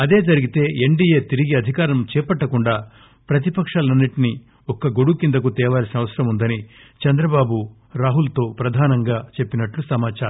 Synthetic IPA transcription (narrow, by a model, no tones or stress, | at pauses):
ɐd̪e̞ːd͡ʒɐɾiɡit̪e̞ːeɳɖijeːt̪iɾiɡiɐd̪ʱikaːɾɐmt͡ʃɛːpɐʈːɐkuɳɖaː | pɾɐt̪̬ipɐkʂaːlɐnːiʈini | ɔkɐɡo̞ɽukind̪ɐk̬ut̪ɛːʋaːɾsinɐʋɐsɐɾɐmund̪ɐni | t͡ʃɐnd̪ɾɐbaːbu | ɾaːɦult̪o̞ːpɾɐd̪ʱaːnɐŋɡaːt͡ʃe̞pːinɐʈlusɐmaːt͡ʃaːɾɐ